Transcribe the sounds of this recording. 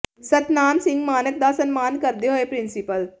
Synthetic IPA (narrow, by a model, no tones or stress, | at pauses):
sɐt̪naːnsɪ̃ŋɡmaːnək̚d̪asɐnmaːnkɐɾd̪eɦoepɾɪnsɪpəl